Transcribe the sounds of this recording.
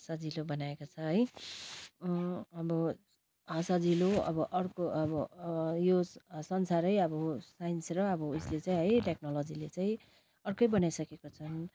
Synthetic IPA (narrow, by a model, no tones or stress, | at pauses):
ɦsad͡zilobʌnaekot͡sʰʌɦʌj | ʌbʌ | ɦʌsad͡ziloʌbʌʔʌrkoʌbʌjossʌnsaɾʌjʌbʌsajinsɾʌʌbʌuslet͡saĩɦʌjʈek̚nʌlʌd͡zilet͡saĩ | ʌrkʌjbʌnajsʌkekot͡sʰʌn